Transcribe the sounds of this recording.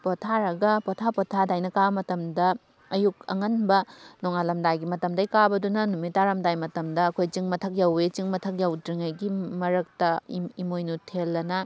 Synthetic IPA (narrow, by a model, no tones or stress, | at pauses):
potʰaɾɐɡɐpotʰapɔtʰadajnɐkabɐmɐtɐmdɐ | ɐjuk̚ɐ̰ŋɐnbɐnɔŋalɐmdajɡimɐtɐmdɐjkabɐdunɐnumitːaɾɐmdajmɐtɐmdɐːkʰojt͡ʃiŋmɐtʰɐk̚jawet͡ʃiŋmɐtʰɐk̚jawdiŋajɡimɐɾɐk̚tɐimojnutʰelːɐnɐ